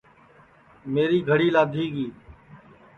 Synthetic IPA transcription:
meːɾiːɡʱəɽiːlaːd̪ʱiːɡiː

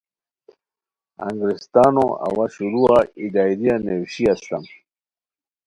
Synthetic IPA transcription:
a̰ŋɡɾist̪aːnoɐ̰waɕuɾuaid̪aːjɾianewɕiast̪am

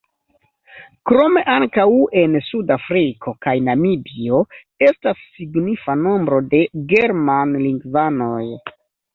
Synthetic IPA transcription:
kɾo̞me̞ʔaŋkawe̞nsudafɾikʰo̞kajnamibio̞ | e̞stasːiɡnifano̞mbɾo̞de̞ɡe̞ɾmanliŋɡvano̞j

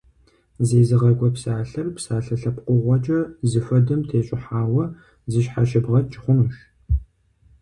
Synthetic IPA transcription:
zeːzɨʁɐɡʷʼɔpsaːɬɐrpsaːɬɐɬɐpqʷʊʁʷɔt͡ʃʼɐzɨfɐdɨmtʰeːɕʼɪħaːwɐ | zɨʃħaʃɪbʁɐt̚t͡ʃʼɪχʷʊmɨʃ

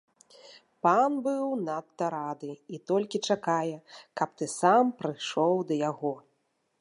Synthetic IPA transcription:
panbɨwnat̪ːɐɾad̪ɨit̪ɔlʲkʲit͡ʂakajɛkɐp̚t̪ɨsampɾɨʂɔwd̪ɐjaɣɔ

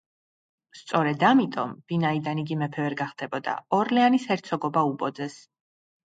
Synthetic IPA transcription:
st̪sʼɔɾɛd̪amit̪ʼɔ̰mv̥inaid̪aniɡimɛpʰɛvɛɾɡaχd̪ɛbɔd̪a̰ɔɾlɛanishɛɾt̪sʰɔɡɔbaupʼɔd̪zɛs

